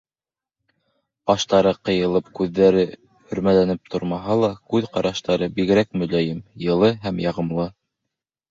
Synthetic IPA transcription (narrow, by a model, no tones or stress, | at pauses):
pɑʃt̪ɑɾɤqɤ̆jɤ̆lˠɤp̚kʉðːæɾɘ | hɵ̆ɾmælænɘp̚t̪ʰŏɾmɑɦɑlˠɑkʉðqɑɾʔɑʃt̪ɑɾɤbiɣɘ̆ɾækmɵ̆læjɘmjɤ̆lˠɤɦæmjɑʁɤ̆mlˠɤ